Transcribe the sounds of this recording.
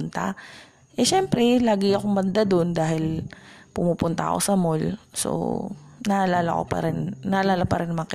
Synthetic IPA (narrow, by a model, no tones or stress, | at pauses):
nt̪ɐ̰ | ʔɛʃɛmpɾɛlaːɡɪɐkombɐnd̪ad̪o̞nd̪aːɦhɪlpʊmuːpʊnt̪ɐ̰ɐ̰ko̞̰sɐmolso̰nɐʔɐlaːlɐko̰pɐ̰ɾɪnnɐʔɐlaːlɐpɐɾɪnmɐk